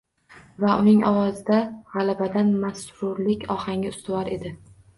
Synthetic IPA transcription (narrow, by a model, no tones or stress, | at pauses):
vaʔʊnɪŋʔɒwɒzɪd̪aʁɑlˠabad̪anmasɾʊɾlɪkʲɒhaŋʲaʊst̪ʊwɒɾe̞d̪ɪ